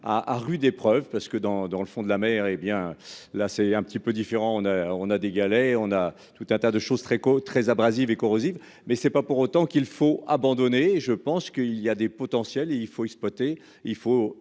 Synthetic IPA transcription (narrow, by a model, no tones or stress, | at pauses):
a̰ʔːʁyd̪epχœvpaʁsə̥kəd̪ɑ̃d̪ɑ̃ləfɔ̃d̪əlamɛʁebjɛ̃lasɛɛ̃pət̪ipød̪ifeʁɑ̃ɔ̃naɔ̃nad̪eɡalɛɔ̃na | t̪ut̪ɛ̃t̪ad̪əʃozt̪χɛkot̪χɛzabʁazivekɔʁoziv | mɛsɛpapuʁot̪ɑ̃kilfoabɑ̃d̪ɔneʒəpɑ̃skəiliad̪epɔt̪ɑ̃sjɛleilfoɛkspwat̪e | ilfo